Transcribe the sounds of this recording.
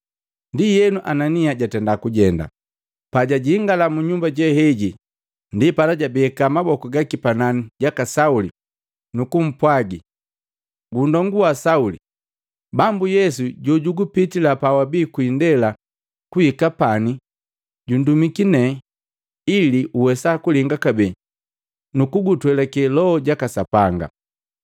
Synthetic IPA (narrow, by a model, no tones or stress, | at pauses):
ndijɛnuʔananiaɟatɛndakuɟɛnda̰ | paɟaɟiːŋɡalamuɲumbaɟɛhɛɟi | ndipalaɟabiɛkamabɔkɔɡakipananiɟakasauli | nukum̩pwaɡi | ɡundɔŋɡuasauli | bambujɛsuɟɔɟuɡupitilapawabiːkwindɛla | kuhikapani | ɟundumikinɛ | iliʔuwɛsakuliŋɡakabɛ | nukuɡutwɛlakɛlɔɔɟakasapaŋɡa̰